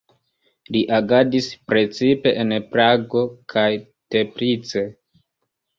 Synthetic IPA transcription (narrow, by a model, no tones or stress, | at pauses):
liʔaɡadispɾe̞t͡sipe̞ʔenpɾaɡo̞kʰaj | te̞pɾit͡se̞